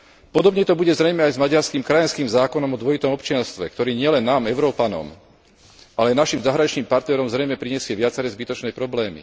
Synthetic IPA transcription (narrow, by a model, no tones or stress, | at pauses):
pɔd̪ɔbɲɛt̪ɔbuɟɛzɾɛjmɛajzmaɟaɾskiːmkɾajanskiːmzaːkɔnɔmɔd̪ʋɔit̪ɔmɔpt͡ʃɪanst̪ʋɛ̰kt̪ɔɾiːɲɪɛlɛnːaːmɛʊɾɔːpanɔ̰m | ʔalɛanaʃimzaɦɾaɲit͡ʃniːmpaɾt̪nɛɾɔmzɾɛjmɛpɾiɲɛsɪɛʋɪat͡sɛɾɛzbit̪ɔt͡ʃnɛːpɾɔblɛːmḭ